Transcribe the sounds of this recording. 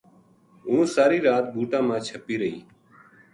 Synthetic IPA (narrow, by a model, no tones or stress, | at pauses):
ũːsaːɾiːɾaːt̪̚bʱuːʈãːmãːt͡ʃʰəpiːɾəɦiː